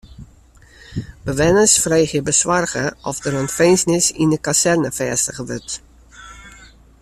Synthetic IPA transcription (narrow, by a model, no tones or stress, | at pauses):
bəʋɛnəsfreːxjəbəswarɣəɔfdəɾənfeːnsnɪsindəkasɛrnəfɛːstəɣəʋʏrt